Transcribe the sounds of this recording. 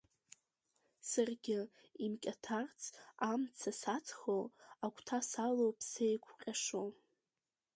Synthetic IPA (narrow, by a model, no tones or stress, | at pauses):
sɨrɡʲɪ | imkʲʼatʰart͡sʰamt͡sʰasat͡sʰʼχoakʷʰʼtʰasalowpʰsejkʷʰqʲʼaʂo